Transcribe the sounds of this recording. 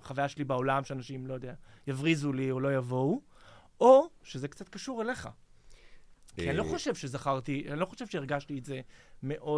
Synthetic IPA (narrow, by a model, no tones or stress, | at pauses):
χavajaʃelibao̞lamʃeanaʃimlo̞jod̪eajavʁizuliolo̞javo̞u | o̞ʃezekt͡sat̪̚kaʃuʁele̞χa̰ | kianiloχo̞ʃevʃezaχaʁt̪ianilo̞χo̞ʃev̥ʃeiʁɡaʃtietze̞me̞ʔo̞